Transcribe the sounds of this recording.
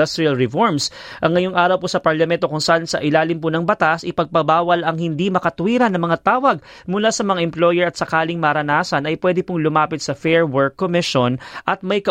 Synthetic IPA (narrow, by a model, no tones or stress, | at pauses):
ɐst̪ɾiɐlɹɛfoɹms | ʔɐŋːɐjoŋʔaːɾɐwposɐpɐɹlɐmɛnt̪okʊŋsɐaʔansɐ̰ʔɪlaːlɪmp̬ʊnɐŋbɐt̪asʔɪpɐɡ̚pɐbaːwɐlɐŋhɪnd̪imɐkɐt̪ʊwiːɾɐnːɐŋmɐŋat̪aːwɐɡ̚ | mʊlasɐmɐŋaʔɛmplojɛɹɐt̪sɐkaːlɪŋmɐɾɐnaːsɐnɐjpwɛd̪ɪpʊŋlʊmaːpɪt̪̚sɐfɛɹwɛɹkːomɪʃonʔɐt̪̚mɐjkɐ